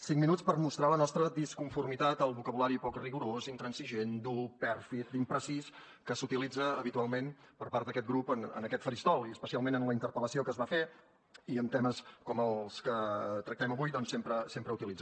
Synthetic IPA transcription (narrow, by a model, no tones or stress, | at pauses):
siŋminut͡spəɾmust̪ɾalənɔst̪ɾəðiskuɱfurmit̪at̪əlˠβukəβulaɾipɔkriɣuɾozint̪ɾənsiʒend̪upɛɾfit̪̚d̪impɾəsis | kəsut̪ilid͡zəːβit̪ualˠmenpəɾpaɾrt̪d̪əkɛt̪̚ɡɾupənə̰nəkɛt̪fəɾist̪ɔlˠiəspəsialˠmenənləint̪əɾpələsiokəzβafe | iənt̪ɛməskɔməlˠskət̪ɾək̚t̪ɛməβujd̪ɔnsempɾəsempɾəut̪ilidd͡zə